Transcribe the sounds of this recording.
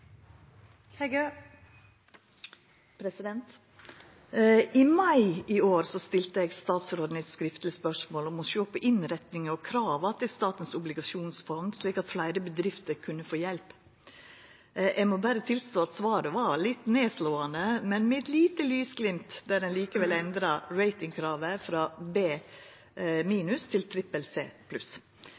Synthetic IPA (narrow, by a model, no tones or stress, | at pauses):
ɡ | pʰɾɛsɪd̪ɛnt̪ | ɪmɑɪioːɾsɔst̪ɪlt̪əɛːɡst̪ɑːt̪sɾoːd̪ən̩ɛskɾɪft̪lɪspœʂmoːlɔmɔʃøːpəʔɪnɾɛt̪nɪŋəɔkʰɾɑːʋɑt̪ʰɪlst̪ɑːt̪ən̩sʊblɪɡɑʂuːnsfɔnd̪sliːkɑt̪flæɪɾəbəd̪ɾɪft̪əɾkʰʉnːəfoːjɛlp | ʔɛɡmɔbæːɾət̪ʰɪlst̪oːɑt̪sʋɑːɾəʋɑɭɪt̪neːsloːɑnd̪əmɛnmɛɛt̪liːt̪əlyːsɡlɪmt̪d̪æɾɛnliːkəʋɛlɛnd̪ɾɑɾæɪt̪ɪŋkʰɾɑːʋəfɾɑbeː | miːnʉst̪ʰɪlt̪ʰɾɪpəlsḛːpʰlʉs